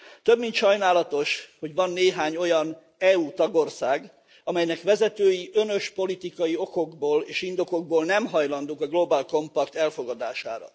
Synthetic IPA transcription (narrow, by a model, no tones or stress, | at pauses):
t̪ø̞bːint̪ʃɒjnaːlɒt̪o̞ʃho̞ɟʋɒnːeːɦaːɲo̞jɒn | ɛut̪ɒɡo̞rsaːɡ | ɒmɛjnɛkʋɛzɛt̪øːjiʔønø̞ʃpo̞lit̪ikɒjio̞ko̞ɡboːleːʃind̪o̞ko̞ɡ̚boːlnɛmɦɒjlɒnd̪oːkɒɡlo̞baːlko̞mpɒkt̪ɛlfo̞ɡɒd̪aːʃa̰ːɾɒ̰